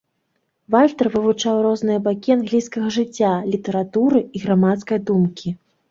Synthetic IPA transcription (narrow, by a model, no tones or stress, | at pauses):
valʲt̪ɐrvɨvut͡ʂawrɔznɨjɐbakʲianɣlʲijskɐɣɐʐɨt͡sʲːalʲit̪ɐɾat̪uɾɨiɣɾamat̪skɐjd̪umkʲʰi